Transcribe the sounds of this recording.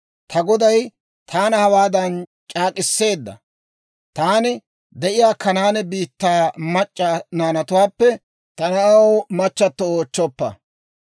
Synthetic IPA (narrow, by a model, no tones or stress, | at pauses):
t̪ʰɐɡɔd̪ɐj | t̪ʰaːnɐhɐwaːd̪ɐnt͡ʃʼaːkʼɪsːe̞ːd̪ːɐ̰ | t̪aːnɪ | d̪ɛʔɪjaːkːɐnaːnɛbiːt̪ːaːmɐt͡ʃʼːanaːnɐt̪ʊwaːpːɛ | t̪ɐnɐɐwmɐt͡ʃːɐt̪ːɔoːt͡ʃːɔpːɐ̰